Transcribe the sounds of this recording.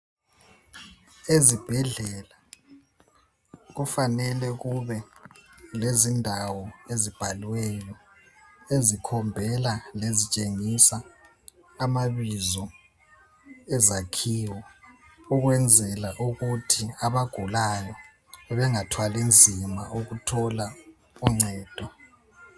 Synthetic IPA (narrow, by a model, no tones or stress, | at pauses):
ezib̥ʱɛɮɛla | ɣufanɛlɛɣuβɛ | lezindʱawɔezib̥ʱalwɛjɔ | ezikʰɔmbʱɛlalezit͡ʃʼeŋisaː | maβizɔ | ɛzakʰiːwɔ | uɣwɛnd͡zʱɛlaʔuɣutʰiaβaɡ̥ʱulajɔ | βɛŋatʰwalind͡zʱima̰ʔuɣutʰɔla | uŋ͡ǀɛːd̥ʱɔ